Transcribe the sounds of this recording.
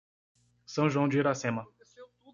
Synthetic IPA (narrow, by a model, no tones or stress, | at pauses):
sɐ̃w̃ʒuɐ̃w̃d͡ʒɪeɾasẽmɐ